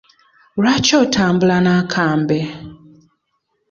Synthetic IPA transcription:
uɾat͡ʃɔtʰambulanakʰambɛ

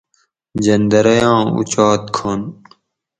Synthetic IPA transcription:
d͡ʑɐnd̪ɐɾɐjɑ̃ːṵt͡ɕɑːt̪̚kʰoːn

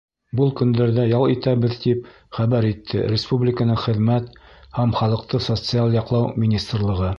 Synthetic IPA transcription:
bulˠkɵ̆nd̪æɾðæjɑlˠit̪æβɘðt̪ip | χæβæɾit̪ʰːɘ̰ɾʲɪspublʲɪkənɤɴχɘ̆ðmæt̪hæmχɑlˠɤ̆q̚t̪ɤsot̪sɨalˠjɑqlˠɑwmʲinʲist̪rlˠɤ̆ʁɤ

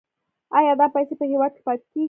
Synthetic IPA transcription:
ɑjɑd̪ɑpajsepəhewɑd̪̚ke̥pɑt̪e̥ke

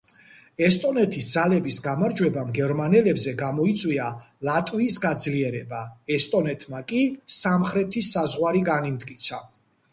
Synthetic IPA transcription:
ɛst̪ʼɔnɛt̪ʰisd̪zalɛbisɡamaɾd͡ʒwɛbamɡɛɾmanɛlɛbzɛɡamɔit̪sʼwia | lat̪ʼwiːsɡad̪zliɛɾɛbaɛst̪ʼɔnɛt̪ʰmakʼisamχɾɛt̪ʰisazʁwaɾiɡanimd̪ʼkʼit̪sʰa

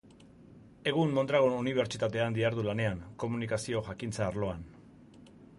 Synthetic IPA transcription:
e̞ɣ̞unmo̞nd̪ɾaɣ̞onuniβ̞e̞ɾt͡ʃit̪at̪e̞and̪iaɾðulane̞aŋko̞munikasio̞ʝakint͡saːɾlo̞an

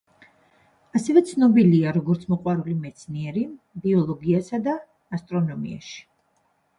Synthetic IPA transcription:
asɛvɛt̪sʰnɔbiliaɾɔɡɔɾt̪sʰmɔqʼwaɾulimɛt̪sʰniɛɾi | biɔlˠɔɡiasad̪aː | st̪ʼɾɔnɔmḭa̰ʃi̥

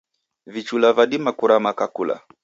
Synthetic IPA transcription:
vit͡ʃulavaɗimakuɾamakakula̰

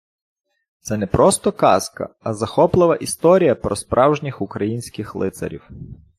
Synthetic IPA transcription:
t̪sɛnɛpɾʔɔst̪ɔkɑ̰skɐ̰ɐzɐxɔplˠɪʋɐʔist̪ɔɾʲijɐpɾɔspɾʔɑwʒnʲixʊkɾɐjinʲsʲkɪxlˠɪt̪sɐ̰ɾʲḭw

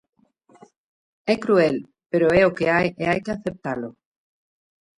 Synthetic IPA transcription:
ɛkɾuɛl | peɾoɛokeajeajkeaθep̚t̪alʊ

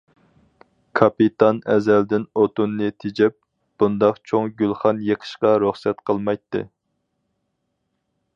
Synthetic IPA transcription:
kʰɑpit̪ʰɑnɛ̰zɛld̪ɪnot̪unːɨt̪ʰed͡ʒɛp̚ | b̥und̪ɑqt͡ʃʰoŋɡʲylˠχɑnjeqʰə̥ʃqɑɾuχsɛt̪qʰəlˠmɑjt̪ːɨ̰

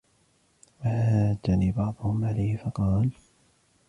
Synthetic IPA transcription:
wahaːd̪aniːbɑʕd̪ˤʊhʊmʕalajhɪfɑqɑːl

